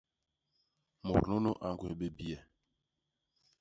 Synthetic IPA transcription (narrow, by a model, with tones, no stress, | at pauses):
mo̰˨ɾno˦no˦ʔa˨ŋ˨ɡwe˨ɓe˦bi˦ɛ˨